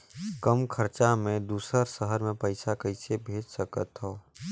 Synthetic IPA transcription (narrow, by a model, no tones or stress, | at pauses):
kəmkʰəɾt͡ʃamẽd̪uːsəɾsəɦəɾmẽpəɪsakəɪsebʱeːd͡ʒsəkət̪ɦoː